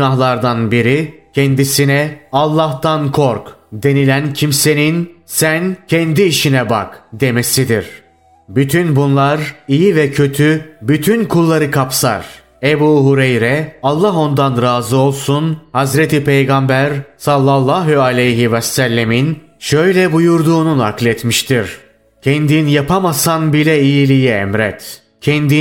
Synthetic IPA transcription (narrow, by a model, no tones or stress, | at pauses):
naɦlˠaɾd̪anbiɾicʰɛnd̪isinɛalˠːaht̪ankʰo̞ɾkd̪e̞nilʲæncʰimse̞ninsæncʰɛnd̪iːʃinɛba̰kd̪e̞me̞sid̪iɾ̥ | byt̪ʰynbunlˠaɾijivɛcʰø̞t̪ʰybyt̪ʰynkʰulˠːaɾɯkʰapsa̰ɾ̥ | ebuːɦuɾɛjɾɛalˠːaɦo̞nd̪anɾaːzɯo̞lˠsunhazɾɛt̪ipʰejɡambæɾsalˠːalˠːaɦyalʲejɦivɛsælʲːemin | ʃøjlʲɛbujuɾd̪uːnuna̰klʲɛt̪miʃt̪ʰiɾ | cʰɛnd̪injapʰamasanbilʲɛijilʲijiɛ̰mɾɛt̪ | cʰɛnd̪i